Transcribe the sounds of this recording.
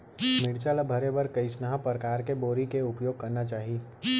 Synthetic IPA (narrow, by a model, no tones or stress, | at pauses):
mɪɽt͡ʃalabʱɐɾebɐɾkɐisnəɦapɾəkaːɾkeboːɾikeʊpjoːɡ̚kɐɾnat͡ʃaːɦi